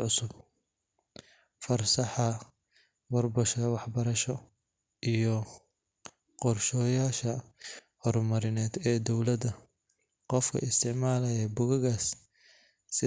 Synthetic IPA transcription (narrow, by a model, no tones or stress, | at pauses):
ʕʊsʊb | fɐrsɐħɐ | wɐrbɔʃʰɐwɑħbɐɾɐʃɔ | ʔijɔ | qɔrʃɔːjaːʃɐ | hɔrmɐɾɪnɛːd̪ɛːd̪ɔwlɐd̪ɐ | qɔfkʰɐ̰ɪst̪ʰɪʕmaːlɐjɛbʊɣɐɣaːsː | ɪ